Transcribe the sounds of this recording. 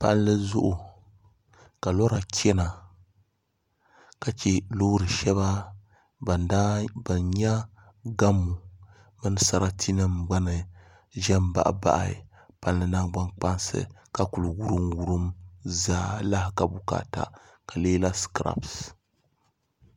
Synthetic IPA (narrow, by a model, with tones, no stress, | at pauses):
pa̰˦n˦lɨ˦zʊ˦ʔʊ˨ | ka˨lɔ˦ɾa˨kʰʲɛ˦na˨ | ka˨t͡ʃɛ˦lo˦ɾɨ˨ʃɛ˦βa˦˨ | da˦bɨ˨nɲa˦ | ɡa˦mːu˨ | mɨ˦nɨ˦sa˦ɾa˦tʰi˦nɨ˦mɡ͡ba˦nɨ˨ | ʒɛ˦mba̰˨ʔba̰˦ʔa̰˨ | pa˨n˦lɨ˦na˦ɡ͡ba˦nk͡pa˦nsɨ̰˦ka˨ku˨lɨ˨wu˦ɾɨ˨nwu˦ɾɨ˦mzaː˦la˦hɪ˨ka˨bu˦ka̰ː˨ta̰˨ | ka˨leː˦la˦skɾa̰˦˨bs